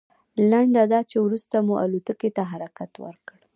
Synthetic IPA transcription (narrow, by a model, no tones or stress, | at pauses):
laɳɖad̪ɑt͡ʃewɾust̪amuʔa̰lut̪əket̪aɦaɾakat̪wə̰ɾkəɽ